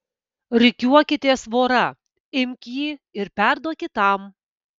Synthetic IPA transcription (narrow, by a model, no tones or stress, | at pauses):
ɾʲɪkʲuɔkʲɪt̪ʲeɛsʋoːɾɐ | ɪmʲkʲjiːɪɾpʲæɾd̪oɔkʲɪt̪ɑm